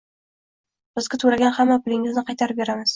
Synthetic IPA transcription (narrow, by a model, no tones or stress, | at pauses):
b̥ɪzɡʲat̪ʰʊɾaɡʲanhamːapʰɪlɪŋɪznɪqʰɑjt̪ʰaɾɪp̚be̞ɾamɪz̥